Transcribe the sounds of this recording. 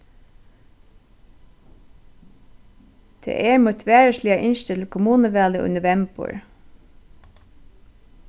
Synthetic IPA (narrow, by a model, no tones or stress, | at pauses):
t̪ʰḛːʔɛɹmut̪ʰʋæːɹəslɪaʔɪnʃt̪ət̪ʰɪlkʰʊmuːnəʋæːləʔʉ̰nəʋɛmpʊ̰ɹ